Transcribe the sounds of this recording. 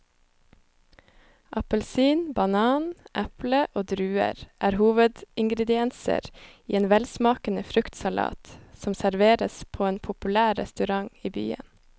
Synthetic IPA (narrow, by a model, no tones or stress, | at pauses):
ʔɑpəlsiːnbɑnɑːnʔæpləʔoːd̪ɾʉːə̰ɾʔæːɾhuːʋəd̪ɪŋɡɾɛd̪ɪɛnsə̰ɾiːeːnʋɛlsmɑːkənəfɾʉkt̪sɑlɑ̰ːt̪sɔmsæɾʋeːɾəspʰoːeːnpʰʊpʉlæːɾɛ̰st̪ʉɾɑŋiːby̰ːə̰n